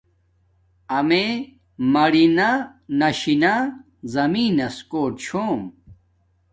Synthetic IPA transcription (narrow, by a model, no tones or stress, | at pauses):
ɐme | mɐɽinanɐɕina | zɐmiːnɐskoːʈt͡ɕʰoːm